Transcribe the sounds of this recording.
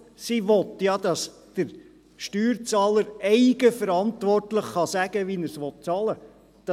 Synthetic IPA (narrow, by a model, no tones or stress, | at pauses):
siʋɔt̪jɑd̪̥ɑs | d̥əɾ | ʃtyːɾt͡sɑːləɾɛɪɡ̥əfəɾɑntʋɔrtlɪχχɑsæɡ̥əʋinəɾsʋɔt̚t͡sɑlə | d̪̥ɑ